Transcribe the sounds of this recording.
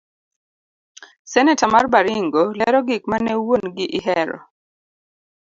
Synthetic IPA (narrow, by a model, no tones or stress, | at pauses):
sɛnɛtamarbaɾiŋɡolɛɾɔɡik̚manɛwonɡɪʔɪɦɛɾɔ̰